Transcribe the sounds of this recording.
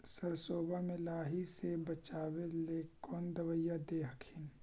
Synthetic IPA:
səɾsoːbamẽlaːɦisebɐt͡ʃaːweleːkɔːnd̪ɐʋəjːad̪eɦəkʰin

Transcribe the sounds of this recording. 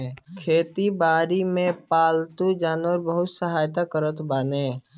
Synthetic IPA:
kʰeːt̪ibaːɾimẽpaːlt̪ud͡ʒaːnʋəɾbəɦʊt̪səɦaːjt̪akəɾət̪baːnẽː

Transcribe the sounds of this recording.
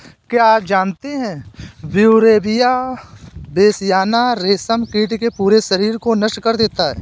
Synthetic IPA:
kjaaːp̚d͡ʒaːnt̪eɦɛ̃bjuɾeːbɪja | beːsjaːnaɾeːsəmkiːʈkepuːɾeʃɐɾiːɾkonəʃʈkəɾd̪eːt̪aɦɛ̰ː

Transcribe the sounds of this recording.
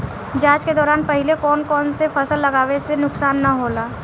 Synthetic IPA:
d͡ʒaːt͡ʃked̪ɔːɾaːnpɐɦɪlekɔːnkɔːnsefʰɐsəlːɐɡaːwesenʊksaːnːaɦoːlaː

